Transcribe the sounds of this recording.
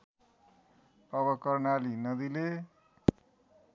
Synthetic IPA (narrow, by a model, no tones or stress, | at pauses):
ʌbʌkʌrnalinʌd̪ile